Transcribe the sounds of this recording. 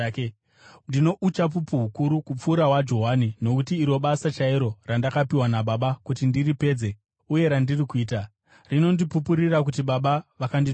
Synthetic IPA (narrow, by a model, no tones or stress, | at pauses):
ndino̞ʔut͡ʃap̬upuɦukuɾukup͡fuːɾawad͡ʒo̞ɦanino̞kutiːɾo̞ɓasat͡ʃaiɾo̞randakapiwanaɓaɓakutindiripe̞d͡ze̞ | uje̞ɾandirikuiːta | rino̞ndipupuɾirakutiɓaɓaʋakandi